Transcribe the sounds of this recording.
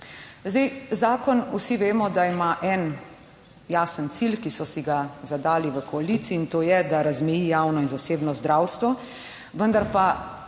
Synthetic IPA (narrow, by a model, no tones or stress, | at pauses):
zd̪ejzaːkɔnusiʋeːmɔd̪aimaʔɛn | jaːsənt̪silkisɔsiɡazad̪aːliʋəkɔalit̪siːnt̪oːjɛd̪aɾazmɛjijaːwnɔinzaseːbnɔzd̪ɾaːwst̪ʋɔ | ʋənd̪aɾpa